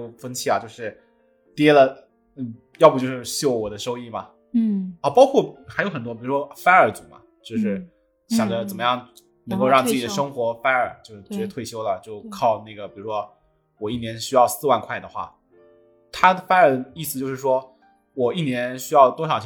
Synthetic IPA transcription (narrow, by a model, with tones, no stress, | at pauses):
fə˥nt͡ɕʰi˥˩a˩t͡ɕjo˥˧ʊʂɻ̩˥˩ | t̪jɛ˥lə˨ | n̩˥˩ | jpu˧˩jo˥˧ʊʂɻ̩˥˧ɕjo˥˩ʊwɔ˨˩d̪ə˦ʂo˥ʊi˥˩mɐ˩˥ | ɔ˥˩pɑ˥ʊkʰwɔ˥˩xjo˧˥ʊxə˨˩nt̪wɔ˥pi˨˩ɻu˧˥ʂwɔ˥fa˥nə˞˨˩˥t͡su˨˩˦mɐ̰˧ | t͡ɕjo˥˧ʊʂɻ̩˥˩ | ɕjɑ˨˩ŋd͡ʒə˦t͡sə˨˩nmə˦jɑ˥˩ŋ | nə˧˥ŋko˥˧ʊɻɑ˥˧ŋt͡sɹt͡ɕi˨˩də˦˧ʂɤ˥ŋxwɔ˧˥fa˥nə˞˨˩t͡ɕjo˥˧ʊ˩˧˥ɛ˧˥t̪ʰwe˥˩ɪɕjo˥ʊlə˨t͡ɕjo˥˩ʊkʰɑ˥˧ʊna˥˩ɡə˩pi˨˩ɻu˧˥ʂwɔ˥ | wɔ˨˩i˥˩njɛ˧˥nɕy˥jɑ˥˧ʊsɹ̩˥˧wa˥˧nkʰwa˥˩ɪd̪ə˩xwa̰˥˩ | t̪ʰa˥ə˨˩fa˥ə˞˨˩d̪ə˦i˥˩s̬ɹ̩˩˧t͡ɕjo˥˧ʊʂɻ̩˥˩ʂwɔ˥ | wɔ˨˩i˥˩njɛ˧˥nɕy˥jɑ˥˩ʊt̪wɔ˥ʂ̬ɑ˨˩ʊt͡ɕʰ